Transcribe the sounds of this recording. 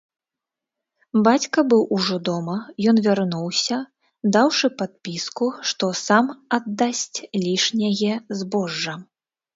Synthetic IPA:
bat͡sʲkɐbɨwʔuʐɔd̪ɔmɐjɔnvʲarnuwsʲɐ | d̪awʂɨpat̪̚pʲiskuʂt̪ɔsamad̪ːasʲt͡sʲlʲiʂnʲɐɣʲɛzbɔʐːɐ

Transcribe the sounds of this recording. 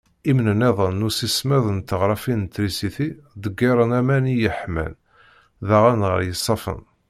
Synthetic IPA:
imnəneðˤənːusismæðənt̪əʁɾˤɑfint̪ːɾisiθid̪əɡːiɾˤənæmænijəħmæ̰n | ðæʁanʁə̰ɾˤjəsˤːɑfə̰n

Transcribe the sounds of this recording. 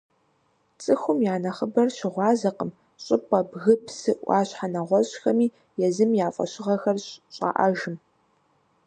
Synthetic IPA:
t͡sʼɨxʷʊmjaːnɐχəbɐrɕɪʁʷɑːzɐqəm | ɕʼɪpʼɐbɣɨpʰsɨʔʔʷɑ̰ːɕħanɐʁʷɔɕxɐmiː | jɛzɨmjaːfʼɐ̰ɕɪʁɐxɐrɕɕʼa̰ʔɐ̰ʒɪm

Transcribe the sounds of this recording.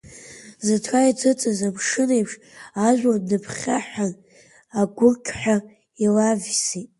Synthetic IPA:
zatʰait͡sʰɨt͡sʼɨzamʂɨnejpʰʂ | aʒʷᶣanɨpʰχʲaħan | aɡʷʊkʲʼħᶣa | ilavsitʼ

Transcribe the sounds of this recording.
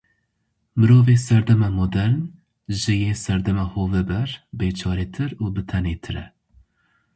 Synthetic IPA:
mɨɾoːveːsɛɾd̪ɛmɛmod̪ɛɾn | ʒɨjeːsɛɾd̪ɛmɛhoːvɛbɛɾbeːt͡ʃʰɑːɾeːt̪ʰɨɾuːbɨt̪ʰɛneːt̪ʰɨɾɛ̰

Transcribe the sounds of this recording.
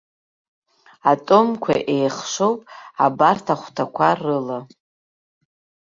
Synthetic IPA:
atʼomkʷʰa̰ʔe̞jχʂowpʼa̰bartʰaχʷtʰakʷʰarɨla

